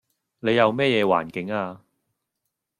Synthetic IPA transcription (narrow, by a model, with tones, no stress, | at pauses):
ne˨˧jɐ˨˧wmɛː˥˩jɛː˨˧wa̰ː˨˩nkɪ˨˥ŋaː˧